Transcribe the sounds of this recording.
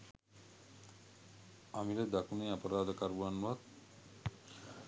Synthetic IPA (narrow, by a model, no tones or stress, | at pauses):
amiɾed̪akuneapaɾaːd̪akaɾbuanat̪